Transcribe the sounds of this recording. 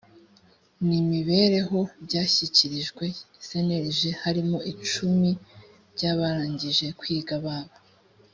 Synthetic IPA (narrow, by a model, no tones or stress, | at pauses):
nimiβe̞ːɾe̞ɦo̞bɟaːçiciɾiʒɡwe̞se̞ne̞ɾiʒehaɾimo̞it͡ʃumi | bɟaːβaɾaːɲɟiʒe̞kwiːɡaβaːβo